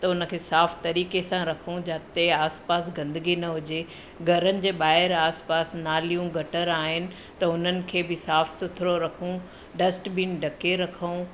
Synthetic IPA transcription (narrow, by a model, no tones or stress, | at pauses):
t̪ɐʊnə̆kʰeːsaːft̪ɐɾiːkesãɾɐkʰũd͡ʑaːt̪eaːspaːsɡɐ̃nd̪əɡinɐɦʊd͡ʑe | ɡʱɐɾənɪ̆d͡ʑeːɓaːɦɪɾaːspaːsnaːlijũɡʱɐʈəɾaːɦɪnɪ̆ | t̪ɐʊn̤ənɪ̆kʰeːbɪsaːfsʊt̪ʰɾoɾɐkʰũ | ɖɐsʈbiːnɖʱɐkeɾɐkʰəũ